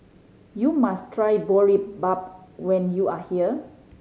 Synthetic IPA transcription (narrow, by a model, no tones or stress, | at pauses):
jumastʰɹajbɔɹip̚bap̚wɛ̃njuahiə